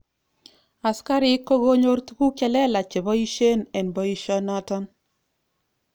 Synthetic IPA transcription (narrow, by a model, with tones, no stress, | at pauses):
a˨ska˦ɾi˦kːo˦ɣo˦ɲo˦ɾtu˦ku˦kɛ˨lɛ˦la˨t͡ʃe˨bɔ˦i˦ʃe˦nɛ˨nbɔ˨˦i˦ʃɔ˦na˦tɔ˦n